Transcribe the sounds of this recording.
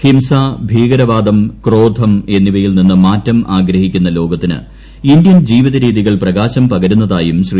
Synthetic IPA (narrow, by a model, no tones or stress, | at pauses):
himsaːbʱiːɡɐɾɐʋaːd̪ɐmkro̞ːd̪ʱɐme̞nːiʋɐjilninːɨmaːtːɐmʔaːɡɾɐɦikʲːunːɐlo̞ːɡɐt̪ːinɨ̰ | ind̪jɐnd͡ʑiːʋiðɐɾiːðiɣɐɭprɐɣaːɕɐmpɐɣɐɾunːɐðaːjumɕri